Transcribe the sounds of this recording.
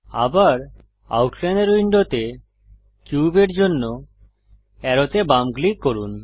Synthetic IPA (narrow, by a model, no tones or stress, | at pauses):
abaɾ | a̰wʈʰlɛnɖeɾujɳɖot̪e | kjubeɾd͡ʑonːo | ɛɾot̪ebamɡlikːoɾun